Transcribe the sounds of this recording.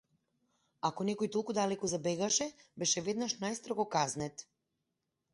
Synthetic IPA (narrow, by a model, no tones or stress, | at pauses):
akonekojit̪ulˠkud̪alɛkuzabeɡaʃɛbɛʃɛʋed̪naʃnajst̪ɾoɡokaznɛt̪